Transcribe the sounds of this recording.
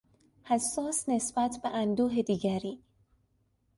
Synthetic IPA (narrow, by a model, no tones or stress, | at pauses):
hæsːɒːsne̞sb̥æt̪ʰbeʔænd̪uːɦed̪iːɟæɾiː